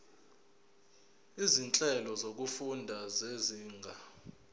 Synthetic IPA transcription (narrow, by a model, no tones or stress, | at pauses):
izint͡ɬʼɛlɔzok̬ufundʱazeziːŋɡʱa